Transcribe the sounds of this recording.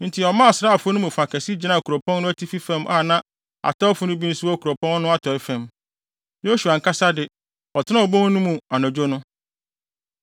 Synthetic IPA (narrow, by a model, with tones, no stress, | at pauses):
n̩˨tʰɪ˨ɔ˨mã˦a˨sɾa˦˨fʊ˦o˦nʊ̃˦mũ˨fa˨kʰɛ˨si˦d͡ʑi˨nã˦˨kʰu˨ɾɔ˨pʰɔ̃˦n˦nʊ̃˦æ˦tʰi˦fi˦fɛ̃˦˨mʔa̰˦˨nã˦ | a̰˨tʰɔ˦fʊ˦nʊ̃˦bi˦n˦sʊ˦ɔ˦˨kʰu˨ɾɔ˨pʰɔ̃˦n˦nʊ̃˦a˦tʰɔ˨ɪ˦fɛ̃˨m | jo˦su˨a˨ŋ̩˨kʰa˦sa˦dɪ˨ | ɔ˨tʰɪ˦nã˦ɔ˨bõ˦n˦nũ˦mũ˨a˨nã˨d͡ʑo˦nʊ̃˦